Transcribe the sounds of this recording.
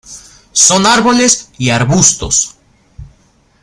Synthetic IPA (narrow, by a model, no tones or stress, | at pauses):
so̞naɾβo̞lesiaɾβust̪o̞̰s